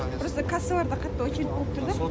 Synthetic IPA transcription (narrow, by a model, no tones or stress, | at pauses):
bɪɾosəkʰasəlˠɑɾd̪ɑqʰɑt̪ːəwot͡ʃʲelɪp̚bolˠəp̚t̪ʰʊɾd̪ə